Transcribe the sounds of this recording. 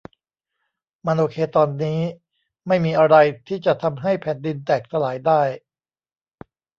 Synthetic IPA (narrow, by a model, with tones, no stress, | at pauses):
ma˧nʔoː˧kʰeː˧t̪ɔː˧nːiː˦˥ | ma˥˩jmiː˧ʔa˧ɾa˧jt̪ʰiː˥˩t͡ɕa˨˩ʔt̪ʰa˧mɦa˥˩jpʰɛː˩˦ndi˧nt̪ɛː˨˩k̚t̪ʰa˧laː˩˦jdaː˥˩j